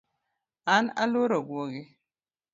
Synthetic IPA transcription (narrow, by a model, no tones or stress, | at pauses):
ana̰loɾoɡwoɡi